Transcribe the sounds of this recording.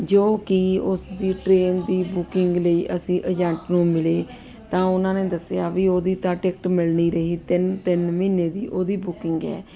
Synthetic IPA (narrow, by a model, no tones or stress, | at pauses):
d͡ʒoːkiʊsd̪iːʈɾeːnd̪iːbʊkɪŋɡləiːʔəsĩːʔəd͡ʒãːɳʈnũːmɪleː | t̪ãːʊnãːneːd̪əseaːʋiːoːd̪iːt̪ãːʈeːk̚ʈmɪlniːɾəɦiːt̪ɪnt̪ɪnmiːneːd̪iːʔoːd̪iːbʊkɪŋɡɛ̰ː